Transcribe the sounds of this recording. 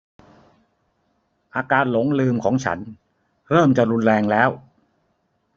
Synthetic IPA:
ʔaː˧kaː˧n̚lo˩˦ŋlɯː˧mkʰɔ̰ː˩˦ŋt͡ɕʰa̰˦˥n | ɾɤː˥˩mt͡ɕa˨˩ɾu˧nɾɛː˧ŋlɛː˦˥w

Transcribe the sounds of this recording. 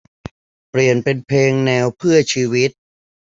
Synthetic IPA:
pɾi˨˩ənpe˧npʰeː˧ŋnɛː˧wpʰɯ˥˩ɐt͡ɕʰiː˧wi˦˥t̪̚

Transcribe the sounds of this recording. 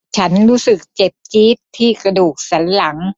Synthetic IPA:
t͡ɕʰa˦˥nɾuː˦˥sɯ˨˩k̚t͡ɕe˨˩p̚t͡ɕiː˦˥t̪ʰːiː˥˩kɾa˧duː˨˩k̚sa˩˦nla˩˦ŋ

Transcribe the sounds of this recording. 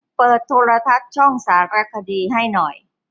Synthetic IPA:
pɤː˨˩t̪ʰːoː˧ɾa˧t̪ʰa˦˥t̪̚t͡ɕʰɔ˥˩ŋsaː˩˦ɾa˧kʰa˧diː˧ɦa˥˩jnɔ˨˩j

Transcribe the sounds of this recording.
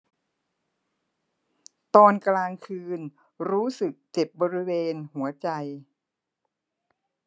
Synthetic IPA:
t̪ɔː˧nklaː˧ŋkʰɯː˧n | ɾuː˦˥sɯ˨˩k̚t͡ɕe˨˩p̚bɔː˧ɾi˦˥weː˧nhu˩˦ɐt͡ɕa˧j

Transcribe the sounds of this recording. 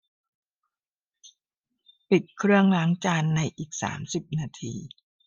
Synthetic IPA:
pi˨˩t̪̚kʰɾɯ˥˩əŋla˦˥ŋt͡ɕaː˧nːa˧jʔiː˨˩k̚sa̰ː˩˦msi˨˩p̚naː˧t̪ʰḭː˧

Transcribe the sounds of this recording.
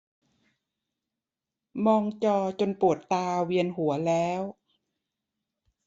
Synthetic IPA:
mɔː˧ŋt͡ɕɔː˧t͡ɕo˧npu˨˩ət̪ːaː˧wi˧ənɦu˩˦ɐlɛː˦˥w

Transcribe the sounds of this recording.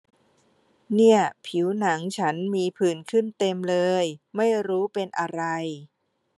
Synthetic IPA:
ni˥˩əpʰi˩˦wna˩˦ŋt͡ɕʰa˦˥nmiː˧pʰɯː˨˩nkʰɯ˥˩nt̪e˧mlɤː˧jma˥˩jɾuː˦˥pe˧nʔa˧ɾa˧j

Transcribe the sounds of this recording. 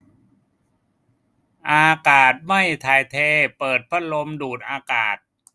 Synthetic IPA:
ʔaː˧kaː˨˩t̪̚ma˥˩jt̪ʰaː˧˩jt̪ʰeː˧pɤː˨˩t̪̚pʰa˦˥˩lo˧mduː˨˩t̪̚ʔaː˧kaː˨˩t̪̚

